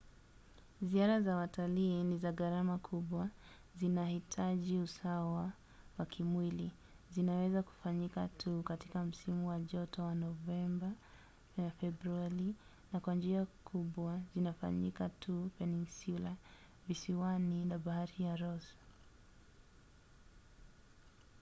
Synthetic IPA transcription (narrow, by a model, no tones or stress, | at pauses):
ziaɾazawataliːnizaɣaɾamakʰuɓwa | zinahitʰaʄiusawa | wakʰimwili | zinawɛzaku̥faɲikatʰukati̥kam̩simuwaʄɔtɔwanɔvɛmba | fɛbɾuaɾi | nakwand͡ʒiakʰuɓwazinafa̰ɲḭkatʰupɛninsula | visiwaninabahaɾijaɾɔs